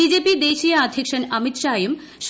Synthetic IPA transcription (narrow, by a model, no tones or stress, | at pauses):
id͡ʑeːpid̪eːʃijɐːd̪ʱikʃɐnɐmit̪ʃaːjum | ʃ